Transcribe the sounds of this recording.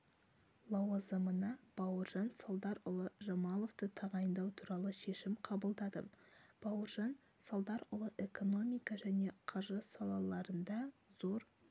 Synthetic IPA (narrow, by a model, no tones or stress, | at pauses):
lˠɑwɑzəmənɑb̥ɑwəɾʒɑnsɑlˠd̪ɑɾʊlˠəʒɑmɑlˠo̞ft̪ət̪ʰɑʁɑjənd̪ɑwt̪ʰuɾɑlˠəʃe̞ʃɪmqʰɑbəlˠd̪ɑd̪ə̰b̥ɑwəɾʒɑn | sɑlˠd̪ɑɾʊlˠəʔe̞ko̞no̞mijkɑʒæne̞qʰɑɾʒɑsɑlˠɑlˠɑɾənd̪ɑz̥o̞ɾ